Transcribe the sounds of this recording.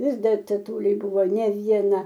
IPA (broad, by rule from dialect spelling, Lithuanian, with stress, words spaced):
ˈʋʲɪs ˈdɐr tʲɛˈtʊlʲʊɪ ˈbʊʋoː nʲɛ ʋʲiɛˈnɐ